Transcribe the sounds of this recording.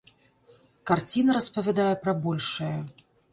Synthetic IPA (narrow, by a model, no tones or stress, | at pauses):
kart͡sʲinɐɾɐspɐvʲad̪ajɛpɾɐbɔlʲʂɨjɐ